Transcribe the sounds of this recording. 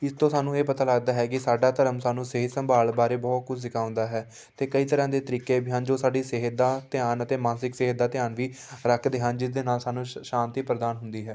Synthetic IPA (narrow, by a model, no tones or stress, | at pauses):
ɪst̪õːsaːnũːeːpət̪aːləɡd̪aːɦɛːkɪsaːɖaːt̪əɾəmsaːnũːseɦsəmbʱaːlbaːɾeːbɔːt̪̚kʊd͡ʒʰsɪkaːʊ̃nd̪aːɦɛː | t̪eːkəiːt̪əɾãːd̪eːt̪əɾiːkeːbɪjãːnd͡ʒoːsaːɖiːseɦəd̪aːt̪ɪaːnət̪eːmãːsɪkseɦd̪aːt̪ɪjaːnʋiː | ɾəkʰd̪eːɦənd͡ʒɪsd̪eːnaːlsaːnũːʃãːnt̪iːpɾəd̪aːnɦʊnd̪iːɦɛː